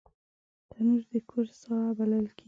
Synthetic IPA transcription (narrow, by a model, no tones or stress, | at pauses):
t̪anuɾd̪əkʰʊɾsɣabaləlkʰe